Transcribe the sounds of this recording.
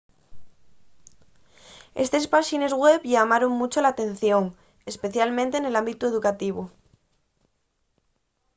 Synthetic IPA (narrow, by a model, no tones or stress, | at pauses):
e̞̰st̪e̞spaʃine̞zɣwe̞βʎamaɾoŋmut͡ʃolat̪e̞nθjo̞ŋ | e̞spe̞θjalmẽnt̪e̞ːne̞lambit̪ue̞ðukat̪iβu